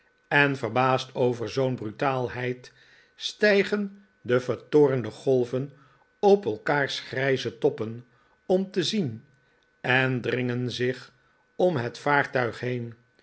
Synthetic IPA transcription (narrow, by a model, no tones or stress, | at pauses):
ɛnvəɹbaːstʰowvəɹzownbrytaːlˠɦɛjt | stɛjχən | dəvəɹtʊːrəndəχɔlˠvən | ɔpɛlˠkaːɹsχrɛjzətɔpən | ɔmtəzin | ɛndrɪŋənzɪχ | ɔmɦɛtfaːɹtœɥχɦejn